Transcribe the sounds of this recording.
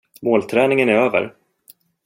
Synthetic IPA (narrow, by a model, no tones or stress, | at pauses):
moːlt̪ʰɾɛːnɪŋənæɾøːvə̰ɾ